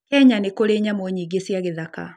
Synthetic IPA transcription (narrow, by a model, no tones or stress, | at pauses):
kɛɲanekoɾeɲamwoɲiɡesjaɣeðaka̰